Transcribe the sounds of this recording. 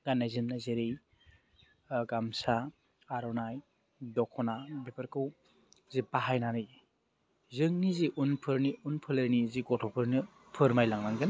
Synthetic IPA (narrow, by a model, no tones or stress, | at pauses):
ɡ̥anːajzimnazeɾij | ɡamsa | aɾɔnaj | dɔkʰɔnabepʰɯɾkɯw | zipaɦajnaɾɯj | zɯŋniziʔunpʰɯɾniunpʰɯlɯɾniziɡɔtʰɔpʰɯɾni | pʰɯɾmajlaŋnaŋɡɯn